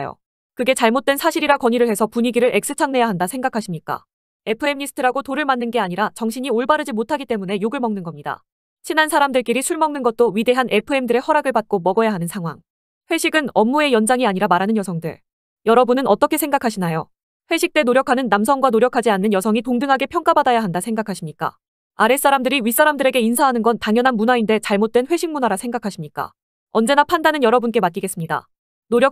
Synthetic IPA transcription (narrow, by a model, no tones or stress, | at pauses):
jo̰ | kɯɡe̞t͡ɕaɭmot̚t͈ensʰaɕʰiɾiɾakwʌɲiɾɯɭhe̞sʰʌpuɲiɡiɾɯɾʔe̞ks͈ɯt͡ɕʰaŋne̞jaɦandasʰe̞ŋɡakʰaɕʰimɲik͈a̰ | e̞pʰɯe̞mɲisʰɯ̥tʰɯɾaɡotoɾɯɭmanːɯnɡe̞aɲiɾat͡ɕʌŋɕʰiɲioɭbaɾɯd͡ʑimotʰaɡit͈e̞mune̞joɡɯɭmʌŋnɯnɡʌmɲida̰ | ɕʰinansʰaɾamdɯɭk͈iɾisʰuɭmʌŋnɯnɡʌt͈̚oɥide̞ɦanʔe̞pʰɯe̞mdɯɾe̞hʌɾaɡɯɭbat̚k͈omʌɡʌjaɦanɯnsʰaŋɦwa̰ŋ | ɸwe̞ɕʰiɡɯnʌmːue̞jʌnd͡ʑaŋiaɲiɾamaɾanɯnjʌsʰʌŋdɯɭ | jʌɾʌbunɯnʌt͈ʌkʰe̞sʰe̞ŋɡakʰaɕʰinajo | ɸweɕʰik̚t͈e̞noɾjʌkʰanɯnːamsʰʌŋɡwanoɾjʌkʰad͡ʑianːɯnjʌsʰʌŋitoŋdɯŋɦaɡe̞pʰjʌŋk͈abadajaɦandasʰe̞ŋɡakʰaɕʰimɲik͈a̰ | aɾe̞s͈aɾamdɯɾiɥis͈aɾamdɯɾe̞ɡe̞insʰaɦanɯnɡʌntaŋjʌnɦanmunainde̞t͡ɕaɭmot̚t͈we̞nɸwe̞ɕʰiŋmunaɾasʰe̞ŋɡakʰaɕʰimɲik͈a̰ | ʌnd͡ʑe̞napʰandanɯnjʌɾʌbunk͈e̞mat̚k͈iɡe̞s͈ɯmɲida̰ | noɾjʌ